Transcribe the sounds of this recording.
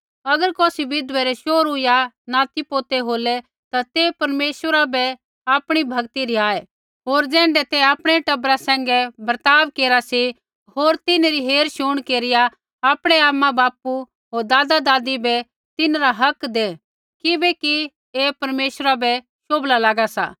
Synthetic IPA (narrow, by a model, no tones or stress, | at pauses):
ɐɡəɾkoːsiʋɪd̪ʋɛɾɛʃoːɾʊja | naːt̪ipoːt̪eɦoːlɛ | t̪at̪epɐɾmeːʃwəɾabɛ | aːpɽ̃ibʱɐɡt̪iɾiaːɛ | ɦoːɾd͡zɛ̃ːɳɖɛt̪ɛaːpɽ̃ɛʈɐbɾasɛ̃ːŋɡɛbɐɾt̪aːʋkeːɾasi | ɦoːɾt̪ɪneɾiɦeːɾʃʊɽ̃keːɾɪja | aːpɽ̃ɛaːmabaːpu | ɦoːɾd̪aːd̪ad̪aːd̪ibɛ | t̪ɪnɾaɦɐkd̪e | kɪbɛki | epɐɾmeːʃɾabɛ | ʃoːblalaːɡasa̰ː